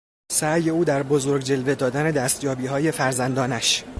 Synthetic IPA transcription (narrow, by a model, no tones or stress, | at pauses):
sæːje̞uːd̪æɾbo̞zo̞ɾɡʲd͡ʒe̞lve̞d̪ɒːd̪æne̞d̪æst̪jɒːbiːɦɒːje̞fæɾzænd̪ɒːnæʃ